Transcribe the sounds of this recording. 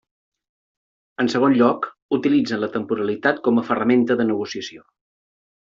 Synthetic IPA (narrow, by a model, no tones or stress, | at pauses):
ənsəɣ̞onʎɔk | ut̪ilid͡zənlət̪əmpuɾəlit̪at̪̚kɔməfərəment̪əðənəɣ̞usiəsio